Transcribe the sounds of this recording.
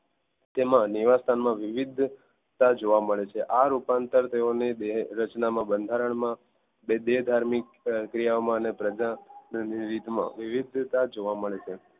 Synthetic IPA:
t̪emãniʋast̪ʰanmãʋiʋid̪ʱ | t̪ad͡ʒoʋaməɭet͡ʃʰeʔaɾupant̪əɾt̪eoned̪eɦɾət͡ʃnamãbənd̪ʱaɾəɳmã | bed̪eɦd̪ʱaɾmik | kɾijaomãənepɾəd͡ʒanniɾit̪mã̰ʋiʋid̪ʱt̪ad͡ʒoʋaməɭet͡ʃʰe

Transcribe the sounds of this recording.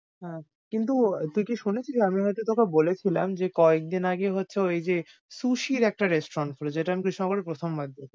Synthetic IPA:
ɦɛ̃ | kint̪̬ut̪ujkiʃunet͡ɕʰiamiɦɔjt̪ut̪okebolet͡ɕʰila̰md͡ʑekɔek̚d̪inaɡeɦotːɕʰeejd͡ʑe | suʃiɾɛk̚ʈaɾesʈoɾɔnʈfʰoɾod͡ʑeʈaamikɾiʃɔŋɡoɾeɾpɾot̪ʰomːad̪ʱo

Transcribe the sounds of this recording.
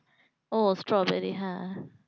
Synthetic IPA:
ostɹɔbɛɾiɦã

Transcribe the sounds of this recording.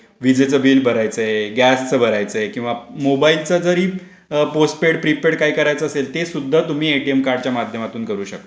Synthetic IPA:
ʋid͡zet͡səbiːlbʱəɾajt͡səjeɡæst͡səbʱəɾajt͡səjekĩw̃ʋamobailt͡səd͡zəɾiː | posʈ̚peɽpɾipeɽkaɦiːkəɾajt͡səːselt̪esud̪ʱːat̪um̤iːeʈiemkaɾɖt͡ɕjamad̪ʱjəmat̪uːnkəɾuːɕək̚t̪o

